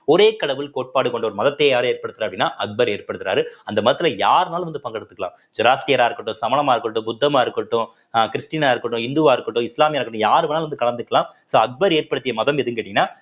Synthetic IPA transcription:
ɔɾeːkɐɽɐʋɪlkoːʈ̚paːɽɯkːɔɳɖɐɔɾɯmɐðɐt̪ːeːjaːɾɯeːɾpɐɽɯt̪ːɯɾaɐpɽɪnːaːʔɐk̚bɐɾeːɾpɐɽɯt̪ːɪɾa̰ːɾɯɐnd̪ɐmɐðɐt̪ːɪlɐjaːɾnaːlʋɐnd̪ɯpɐŋɡɐɽɯt̪ːɯkːɐɭã̰ːm | d͡ʒʊɾaːsʈijɐɾaːɪɾɯkːɐʈːʊ̃sɐmɐlɐmaːɪɾɯkːɐʈːʊ̃bʊd̪ːɐmaːɪɾɯkːɐʈːʊ̃ | kɪɾɪsʈiːnɐaːɪɾɯkːɐʈːʊ̃ɪnd̪ʊʋaːɪɾɯkːɐʈːʊ̃ɪslaːmjaːɾɯkːɐʈːʊ̃jaːɾɯʋɐnːaːlʋɐnd̪ɯkɐɭɐnd̪ɯkːɐlãːsoːɐk̚bɐɾeːɾpɐɽɯt̪ːɪjɐmɐðɐmɛðɯkeːʈːɪŋɡɪɐnːaː

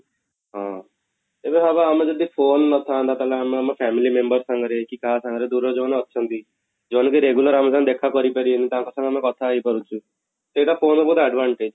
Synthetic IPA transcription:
ɦɔ̃ | t̪ebẽɦabaamẽd͡ʒɔd̪ʱipʰoːnːɔt̪ʰant̪at̪alaameamepʰɛmilimembəɾsãŋɡɾekikasãŋɡɾed̪uɾɔd͡ʒonːtːʃʰənt̪i | d͡ʒonkiɾeɡuləɾamesand̪ekʰakɔɾipəɾienit̪ãŋkɔsãŋɡamẽkɔt̪ʰaːipəɾut͡ʃʰu | t̪eʈapʰoːnbɔɦut̪ʰɛɖʋaɳʈed͡ʒ

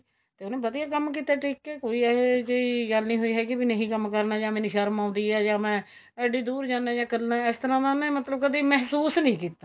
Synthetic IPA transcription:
t̪eːʊnẽːbəd̪ijaːkəmːk̬iːt̪aːʈiːkːeːkoːiːɛːed͡ʒeiɡəlnĩːɦoːiːɦɛːkɪbinəɦĩːkəmkəɾnaːd͡ʒãːmẽːniʃaːɾəmãːʊ̃nd̪iːɛːd͡ʒãːmɛ̃ː | ɛːɖiːd̪uːɾd͡ʒãːnãːd͡ʒãːkəɾnaːɪst̪əɾãːd̪aːnẽːmət̪ləbkəd̪iːmɛɦsuːsnəĩːkiːt̪aː

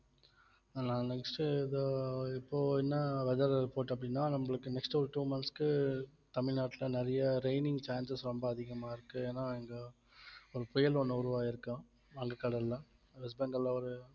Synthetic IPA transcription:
nãːnɛksʈɯɪðɯɪpːoːɛnːɐʋɛðɐɾpoːʈːɐp̬ːɐɽɪnːaːnɐmːɐɭɯkːɯnɛksʈɔɾɯʈuːmɐnskɯt̪ɐmɪɻnaːʈːɪlɐnɛɾɐjɐɾeɪnɪŋɡt͡ʃaːnsɐsɾɔmbɐɐðɪɣɐmaːɪɾɯkːɯeːnːaːɛŋɡɐ | ɔɾɯpɔjɐlɔnːɐʊɾɯʋaːɪɾɯkːãː | ɐŋɡɐkːɐɽɐlːɐʋɛsbɐnɡɐlɐɔɾɯ

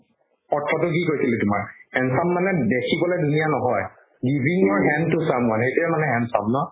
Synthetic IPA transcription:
ɔtʰːɔtʊk̬ikoɹjsilɛtʊma̰ɹɛnsamːanɛdekʰibɔlɛdunijanɔɦɔj | ɡibʱiŋɔɹɦɛntusamwanxejtɛmanɛɦɛ̃nsa̰bnɔ

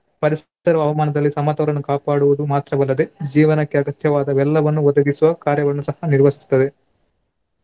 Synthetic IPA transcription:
pɐɾis | ɐɾɐʋɐːʋɐmaːnɐd̪ɐlːisɐmɐt̪ɐɾɐnːukaːpaːɽuʋud̪umaːt̪ɾɐmɐlːɐd̪e̞d͡ʒiːʋɐnɐkːeɐɡɐt̪jɐʋaːd̪ɐʋɛlːɐʋɐnːuʋɔd̪ɐɡisuʋɐkaːɾjɐɡɐnːusɐhɐniɾʋɐsi̥st̪ɐd̪e

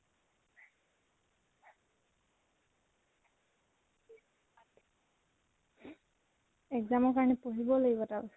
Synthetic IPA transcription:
ɛkzamɔkaɹɔnɛpoɦibɔloɡibɔtabɔs

